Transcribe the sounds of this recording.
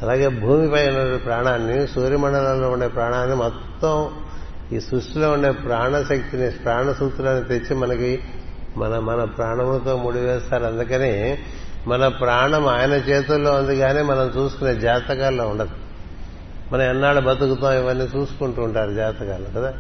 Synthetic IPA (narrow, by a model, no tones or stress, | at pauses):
ɐlaːɡe̞ːbʱuːmipɐjunːɐɽipɾaːɳaːnːisuːɾimɐɳɖɐlɐlloːuɳɖe̞ːpɾaːɳaːnːimɔt̪ːɐm | iːsɾuʂʈilo̞ːuɳɖe̞ːpɾaːɳɐʃɐk̚t̪inipɾaːɳɐsuːt̪uloːnit̪et͡ʃːimɐnɐkimɐnɐmɐnɐpɾaːɳɐmlɐt̪o̞ːmuɽiʋɛːst̪aːɾɐnd̪ukɐneː | mɐnɐpɾaːɳɐmaːjɐnɐt͡ʃɛːt̪̬ulːo̞ːɐnd̪uɡaːneːmɐnɐmt͡ʃuːsu̥kuneːd͡ʒaːt̪ɐkaːloːuɳɖɐd̪i | mɐnɐmɛnːaːɽubɐt̪ukut̪ãːiʋɐnːiːt͡ʃuːsu̥kuɳʈuːɳʈaːɾud͡ʒaːt̪ɐkaːlokɐd̪aː